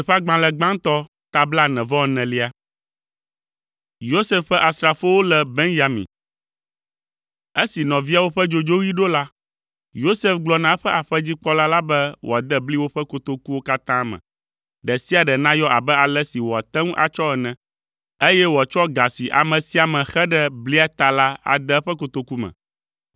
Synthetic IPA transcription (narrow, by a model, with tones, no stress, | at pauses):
ɸa˦ɡ͡bã˨lɛ˨ɡ͡bã˦ŋ˦t̪ɔ˦ | t̪a˦bla˦nɛ̃˨vɔ̃˦˨nɛ̃˨li˦a˦ | jo˦se˦fɸɛ˦ʔa˨sɾa˨fo˦wo˦lɛ˨be˦ŋʒa˨mḭ̃˨ | e˦si˨nɔ̃˨vi˦a˦wo˦ɸɛ˦d͡ʒo˨d͡ʒo˦ɣi˦ɖo˦la˦ | jo˦se˦fɡ͡blɔ˨nã˨˦ɸɛ˦ʔa˨ɸɛ˦d͡ʑi˦k͡pɔ˦la˦la˦bɛ˦wʔo̰˨a˨d̪ɛ˦bli˦wo˦ɸɛ˦ko˨t̪o˦ku˦wo˦ka˦t̪ã˦mɛ̰̃˨ | ɖɛ˨si˦a˨ɖɛ˨nã˦jɔ˦ʔa˨bɛ˦a˨lɛ˦si˨wɔ˨a˨t̪ɛ˦ŋũ˦ʔa̰˨t͡ʃɔ˦ɛ˨nɛ̃˨ | e˦jɛ˦wɔ˨a˨t͡ʃɔ˦ɡa˨si˨ʔa̰˨mɛ̃˨si˦a˨mɛ̃˨xɛ˦ɖɛ˦bli˦a˦t̪a˨la˦a̰˨d̪ɛ˦ɸɛ˦ko˨t̪o˨ku˦mɛ̰̃˨